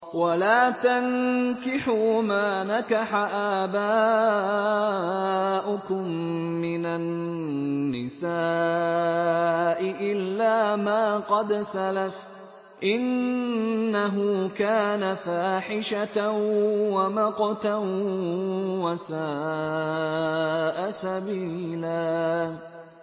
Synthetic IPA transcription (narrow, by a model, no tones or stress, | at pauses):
walaːt̪ankɪħumaːnakaħaʔaːbaː | ʔʊkʊmːɪnanː | ɪsaː | ʔɪʔɪlːaːmaːqɑd̪salaf | ʔɪnː | aɦʊːkaːnafaːħɪʃa | wamɑqɑt̪a | wasaː | ʔasabiːlaː